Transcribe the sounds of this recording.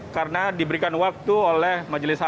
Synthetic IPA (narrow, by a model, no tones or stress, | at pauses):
kaɾənadibəɾikanwak̚t̪uolɛhmad͡ʒəlɪsa